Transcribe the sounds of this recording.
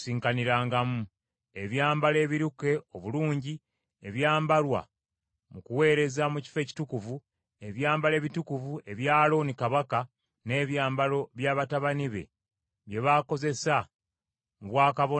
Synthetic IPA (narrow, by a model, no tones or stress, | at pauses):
siːŋkaniɾaːŋɡamu | e̞βjaːmbale̞ːβiɾuke̞o̞βuluːɲɟi | eβjaːmbalwa̰ | mukuwe̞ːɾe̞zamuci̥fe̞ːci̥tukuvu | e̞βjaːmbale̞ːβitukuvue̞βjaːlo̞nikaβaka | ne̞ːβjaːmbalo̞βjaːβataβaniβe̞̰ | βje̞βaːko̞ze̞sa | muβwaːkaβo